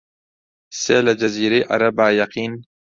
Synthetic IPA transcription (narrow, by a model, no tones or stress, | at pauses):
sḛlad͡ʒɐziːɾeʔɐ̰ɾɐbaːjaqiːn